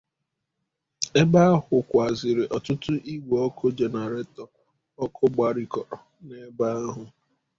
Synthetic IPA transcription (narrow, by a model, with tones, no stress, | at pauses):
e˦ba˦a˦ɦʊ˨kʷa˨zɪ˨ɾɪ˨ʔɔ˨tʊ˦tʊ˦ʔi˦ɡʷe˨ɔ˦kʰʊ˦d͡ʒe˨na˨ɾe˦tɔ˨ | ɔ˦kʰʊ˦ɡ͡ba˨ɾi˨kɔ˨ɾɔ˨ | ne˦ba˦ɦʊ˨